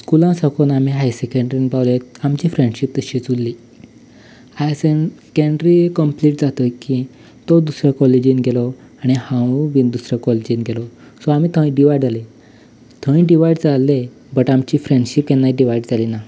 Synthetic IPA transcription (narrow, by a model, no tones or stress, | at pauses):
skulãsakʰonamiɦajsekə̃ɳɖɾinbawleamt͡ɕiːfɾẽɳɖɕip̚t̪əɕit͡sulːiː | ajsekeɳɖɾikəmpliʈ̚d͡zat̪əki | t̪od̪usɾəkɔled͡ʑinɡʱelɔ | aɽ̃ihãʋiːnd̪usɾəkɔlid͡ʑinɡʱelɔsɔam̤iːt̪ʰə̃ĩɖiʋajɖd͡zale | t̪ʰə̃ĩɖiʋajɖd͡zalːe | bəʈamt͡ɕiːfɾẽɳɖɕipjenːaiɖiʋajɖd͡zaliːna